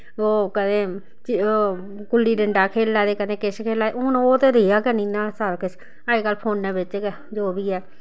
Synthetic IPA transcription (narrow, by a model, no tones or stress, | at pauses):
oːkəd̪ẽː | t͡ʃː | kʊlːiːɖəɳɖaːkʰeːlːaːd̪eːkəd̪ẽːkɪt͡ʃkʰeːlaːeʊnoːt̪eːɾeːaːkənĩːnãːsaɾkɪt͡ʃ | aeːkəlpʰoːnːɛːbɪt͡ʃk | d͡ʒoːbiːɛː